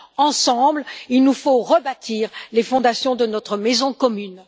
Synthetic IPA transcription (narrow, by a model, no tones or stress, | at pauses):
ɑ̃sɑ̃blilnufoʁəbat̪ʰiʁlefɔ̃d̪asjɔ̃d̪ənɔt̪χəmɛzɔ̃kɔmyn